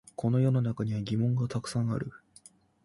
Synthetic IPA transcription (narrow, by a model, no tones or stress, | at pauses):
kʰo̞no̞jo̞nonakaɲ̟iβaɡʲimõ̞ŋɡat̪akɯ̟̥sãɰ̃a̰ɾɯ̟